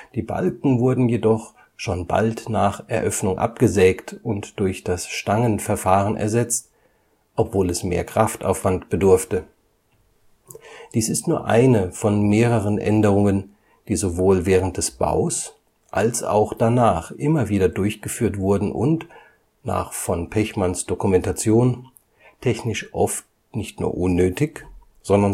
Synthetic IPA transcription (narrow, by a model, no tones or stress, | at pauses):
d̥iːba̰lkŋ̩vʊɐdn̩jedɔχ | ʃoːnba̰ltnaːχʔɛɐʔœfnʊŋʔa̰p̚ɡ̥əzɛːktʊntd̥ʊɐçd̥asʃtaŋənfɛɐfaːʁənʔɛ̰ɐzɛt͡st | ʔɔpv̥oːlɛsmḛːɐkʁ̥afta̰ʊfv̥antb̥ədʊɐftə | d̥iːsɪstnuːɐʔa̰ɪnəfɔnmeːʁəʁənʔɛ̰ndəʁ̞ʊŋən | d̥iːzovoːlvɛːʁ̞ənt̚d̥ɛsb̥a̰ʊs | ʔalsa̰ʊxd̥anaːχʔɪmɐviːdɐdʊɐçɡ̥əfyːɐtv̥ʊɐdn̩ʔʊ̰nt | na̰ːχfɔnpʰɛçmansd̥okumɛntat͡sjoːn | tʰɛçnɪʃʔɔft | nɪçtnṵːɐʔʊnːøːtɪç | z̥ɔndɐ